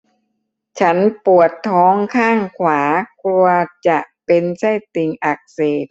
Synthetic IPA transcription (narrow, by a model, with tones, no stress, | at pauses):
t͡ɕʰa˦˥npu˨˩ət̪ʰːɔː˦˥ŋkʰaː˥˩ŋkʰwaː˩˦kʰlu˧ɐt͡ɕa˨˩ʔpe˧nsa˥˩jt̪i˧ŋʔa˨˩k̚seː˨˩t̪̚